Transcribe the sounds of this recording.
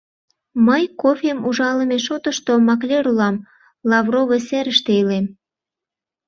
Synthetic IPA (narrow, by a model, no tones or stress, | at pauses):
məjkofʲemuʒɑləmeʃot̪əʃt̪omɑk̬lʲeɾulɑm | lɑvroveseɾəʃt̪eilem